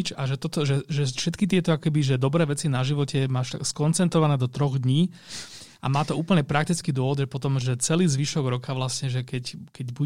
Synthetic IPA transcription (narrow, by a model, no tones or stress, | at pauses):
t͡ʃaʒɛt̪ɔt̪ɔʒɛʒɛfʃɛt̪kit̪̬ɪɛt̪ɔakɔ̥kɛbiʒɛd̪ɔbɾɛːʋɛt͡sinaʒiʋɔcʰɛmaːʃt̪a̰kskɔnt͡sɛnt̪ɾɔʋanɛːd̪ɔt̪ɾɔɣd̪ɲiː | ʔamaːt̪ɔuːpl̩ɲɛpɾakt̪it͡skid̪ʊɔʋɔd̪ʒɛpɔt̪ɔmʒɛt͡sɛliːzʋiʃɔɡɾɔkʰaʋlasɲɛʒɛkɛckɛɟbu